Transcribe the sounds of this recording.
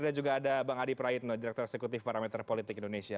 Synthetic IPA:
dad͡ʒuɡaːdabaŋadipɾaɪt̪̚nɔdiɾɛk̚t̪ɔɾɛksɛkut̪ɪfpaɾamɛt̪rpolit̪ɪkindonesia

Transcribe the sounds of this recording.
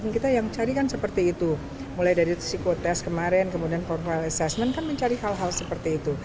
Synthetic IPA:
nkit̪ajaŋt͡ʃaɾikansəpərt̪iːt̪u | mulajdaɾirisikot̪ɛskəmaɾɛnkəmudianfɔrfalɛsɛsmənkanməɲt͡ʃaɾiɦalɦalsəpərt̪iːt̪u

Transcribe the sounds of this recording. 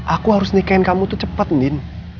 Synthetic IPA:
ʔakuɦaɾʊsnikankamut̪ut͡ʃəpət̪̚nɪn

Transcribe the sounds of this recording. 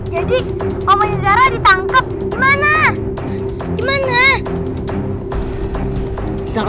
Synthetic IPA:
d͡ʒadi | wamɔɲəɡaɾadit̪aŋkəp̚dimana | d̥imana | it̪a

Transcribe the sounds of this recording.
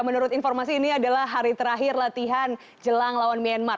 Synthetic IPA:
mənuɾʊt̪infɔrmas̬iːniadalahɦaɾit̪əɾaɦɪrlat̪iɦan | d͡ʒəlaŋlawanmianmar

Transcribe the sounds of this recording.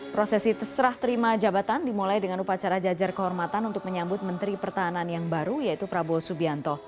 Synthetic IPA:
pɾosɛsit̪əsɾaht̪əɾimad͡ʒabat̪andimulajdəŋanupat͡ʃaɾad͡ʒad͡ʒarkəɦɔrmat̪anunt̪ʊk̚məɲambʊt̪̚mənt̪ɾipərt̪aɦananjaŋbaɾujait̪upɾabuɔsubiant̪ɔ

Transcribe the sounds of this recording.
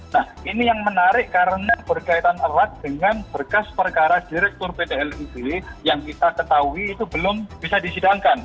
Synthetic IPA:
nahʔinijaŋmənaɾɪʔkaɾənab̥ərkait̪anərak̚d̥əŋanbərkaspərkaɾad̥iɾɛk̚t̪ʊrpedeɛlidejaŋkit̪akət̪auiːt̪ubəlʊmbisadisidaŋkan

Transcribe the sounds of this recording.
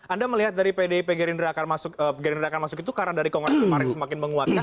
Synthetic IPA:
ʔandaməliɦat̪̚daɾipedeipeɡeɾinɾakarmasʊkəpeɡəɾindɾakanmasʊkit̪ukarnadaɾikoŋɾmaɾɪŋsəmakɪnməŋuat̪̚ka

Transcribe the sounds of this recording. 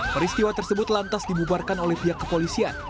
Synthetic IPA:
pəɾist̪iwat̪ərsəbʊt̪lant̪asdibubarkanolɛhbiɦakːəpolisian

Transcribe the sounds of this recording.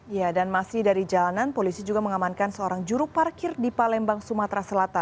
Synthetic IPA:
ijadanmasɪhdaɾid͡ʒalananpolisid͡ʒuɡaməŋamankansəoɾaŋd͡ʒuɾuparkɪrdipalɛmbaŋsumat̪ɾasəlat̪an

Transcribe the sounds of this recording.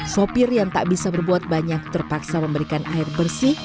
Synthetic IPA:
sopɪrjaŋt̪aʔbisabərbuat̪̚baɲak̚t̪ərpaksaməmbəɾikanaɪrbərsɪh

